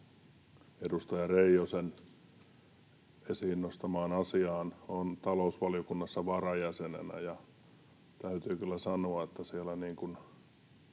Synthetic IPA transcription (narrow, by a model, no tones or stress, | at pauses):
edust̪ɑjɑreijosen | esiːnːost̪ɑmɑːnɑsiɑːnont̪ɑlousʋɑlijokunːɑsːɑʋɑrɑjæsenḛnæ̰jɑ | t̪æyt̪yːkylːæsɑnoɑet̪ːæsielæniːŋkun